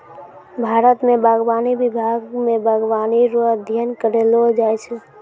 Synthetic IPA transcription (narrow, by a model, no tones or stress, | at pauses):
bʱaːɾət̪mẽbaɡʋaːnibɪbʱaɡmẽbʱəɡʋaːniɾoəd̪ʱjənkəɾelod͡ʒaːjt͡ʃʰe